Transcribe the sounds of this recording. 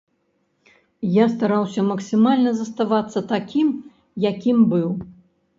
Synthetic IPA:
jast̪aɾawsʲɐmɐksʲɨmalʲnɐzɐst̪avat̪sːɐt̪akʲim | jakʲimbɨw

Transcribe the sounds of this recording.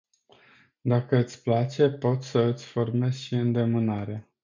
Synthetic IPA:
d̪akəɨt̪sʲplat͡ʃe̞po̞t̪ʲsəɨt̪sʲfo̞rme̞zʃiɨnd̪e̞mɨnaɾea

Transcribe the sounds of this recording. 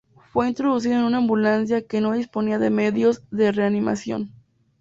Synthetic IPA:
fwe̞int̪ɾo̞ðus̬iðaenũnaːmbulans̬jake̞no̞ðisponiaðeme̞ðjo̞zðe̞re̞anima̰sjo̞̰n

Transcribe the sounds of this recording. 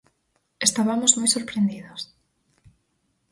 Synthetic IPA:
est̪aβamozmojsoɾpɾend̪iðos

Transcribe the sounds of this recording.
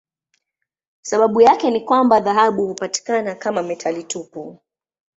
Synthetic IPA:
saɓaɓujakɛnikwambaðaɦaɓuhupati̥kanakamamɛtʰalitupu

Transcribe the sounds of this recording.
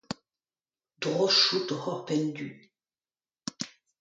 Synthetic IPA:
d̪ʁoʃut̪ɔhɔʁpɛnd̪y

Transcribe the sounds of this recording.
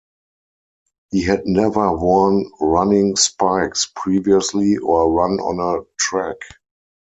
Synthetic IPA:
hiɦædnɛvə˞wɔnɹanɪ̃ŋspaɪkspʰɹiːviəsliʔɔɹãnɔ̰̃nətʰɹæk

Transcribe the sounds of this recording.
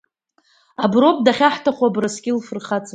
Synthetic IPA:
abro̞p̚ʼdaχʲaħtʰaχʷwabraskʲɪlfɨrχat͡sʰʼa

